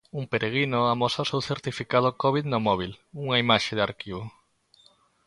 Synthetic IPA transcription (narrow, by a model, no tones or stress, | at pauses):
umpeɾʔeɣ̞inoamosaosewθeɾt̪ifikað̞ʊkɔβiðnomɔβ̞iluŋɐimaʃeðaɾkiβo